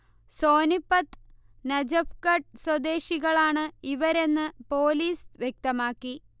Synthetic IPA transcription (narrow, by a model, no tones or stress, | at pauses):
so̞ːnipːɐt̪ | nɐd͡ʑɐfkɐʈ̚swɐd̪e̞ːɕiɣɐɭaːɳɨiʋɐɾe̞nːɨpo̞ːliːsʋjek̚t̪ɐmaːkːi